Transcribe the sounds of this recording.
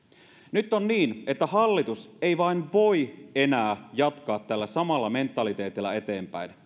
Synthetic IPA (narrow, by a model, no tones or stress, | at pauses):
nyt̪ːˑonniːne̞t̪ːæhɑlːit̪use̞ijʋɑinʋo̞ie̞næːjɑt̪kɑːt̪ːælːæsɑmɑlːɑme̞nt̪ːˑɑlit̪eːt̪ilːɑe̞t̪e̞ːmpæ̰in